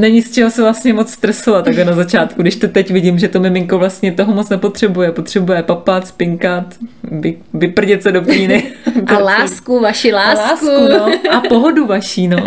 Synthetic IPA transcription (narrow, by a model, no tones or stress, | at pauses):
nɛɲɪst͡ʃɛɦosɛvlast̪ɲɛmo̞t͡sst̪ɾɛsovat̪ːaɡlɛnazat͡ʃaːt̪kudɪʃt̪ot̪ɛcvɪɟɪmʒɛt̪omɪmɪŋkovlast̪ɲɛt̪o̞ɦomot͡snɛpo̞t̪r̝̥ɛbujɛpo̞t̪r̝̥ɛbujɛpapat̪spɪŋkat̪vɪ | vɪpr̩ɲɛt̪sɛdopɲiːnɪt̪alaːskuvaʃɪlaːlsaːkukuoʔapoɦoduvaʃiːno̞